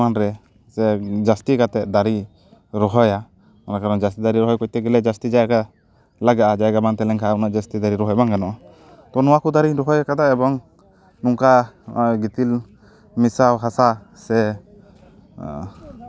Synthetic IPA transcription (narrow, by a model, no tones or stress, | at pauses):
anɾɛ | sɛd͡ʒast̪ikat̪ɛʔ̚d̪aɾi | ɾɔɦɔja | ɔnakaɾɔd͡ʒast̪id̪aɾiɾɔɦɔjkɔc̚t̪ɛɡɛlɛd͡ʒast̪id͡ʒajka | laɡaʔad͡ʒajɡamant̪ɛlɛŋkʰaʔaunaʔd͡ʒast̪id̪aɾiɾɔɦɔjbaŋɡanɔʔ | t̪ɔnɔwakud̪aɾiɾɔɦɔjakad̪aɛbɔŋ | nuŋkaɡit̪il | misawɦasa | sɛ